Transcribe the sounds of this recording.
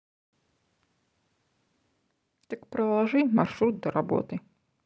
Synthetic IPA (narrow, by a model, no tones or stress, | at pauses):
t̪ɐkpɾɐlˠaʐɨmarʂɾut̪̚d̪ɐɾʔabɔ̰t̪ɨ